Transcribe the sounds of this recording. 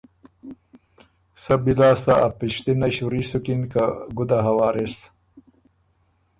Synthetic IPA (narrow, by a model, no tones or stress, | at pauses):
sɐbilaːst̪aʔapiʃt̪inɐɕuɾisukinkaɡud̪aɦɐwaːɾes